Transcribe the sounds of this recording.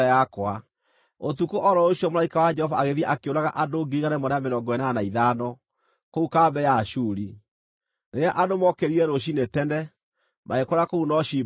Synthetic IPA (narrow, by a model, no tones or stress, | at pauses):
akwa | otukoʔɔɾɔoɕjɔmolaikawad͡ʒɛhɔvaːɣeðiɛʔakeoɾaɣaʔadoɡeiɣanɛmɔɾamenɔɡwɛnanaiðanɔ | koukaːbɛjaʃuːɾi | neɾeaʔadomɔkeɾiɾɛɾoɕ̬inetɛnɛ | mʔaekwɾakounɔɕi